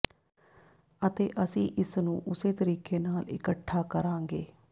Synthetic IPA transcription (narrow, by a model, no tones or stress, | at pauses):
ət̪eːʔəsĩːʔɪsnũːʔʊseːt̪əɾiːkeːnaːlɪ̰kəʈʰːaːkəɾãːɡḛː